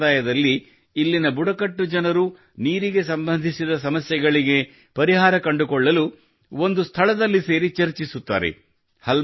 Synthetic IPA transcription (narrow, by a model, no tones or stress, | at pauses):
aːjɐd̪ɐlːiː | lːinɐbuɽɐkɐʈːud͡ʒɐnɐɾu | niːɾiɡe̞sɐmbɐnd̪ʱisid̪ɐs̬ɐmɐsjɛɡɐɭiɡe̞ | pɐɾiɦaːɾɐkɐɳɖukɔɭːɐlu | o̞nd̪ust̪ʰɐɭɐd̪ɐlːise̞ːɾit͡ʃɐɾt͡ʃisut̪ːa̰ːɾe̞̰ | hɐl